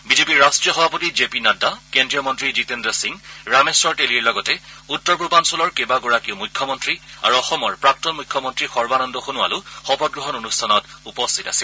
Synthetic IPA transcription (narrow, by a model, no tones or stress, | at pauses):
bizepiɹɹastɹijɔxɔbʱapotizepinadakendɹijɔmɔntɹizitendɹɔsiŋɹamesɹɔɹteliɹlɔɡɔtɛutːɔɹpubansɔlɔɹkebaɡɔɹakiʊmujkʰːjɔmɔntɹia̰ɹuɔxɔmɔɹpɹak̚tɔnmujkʰːɔmɔntɹixɔɹbanɔndɔxunua̰lʊxɔpɔt̚ɡɹɔɦɔnonustʰanɔtupɔstʰitasil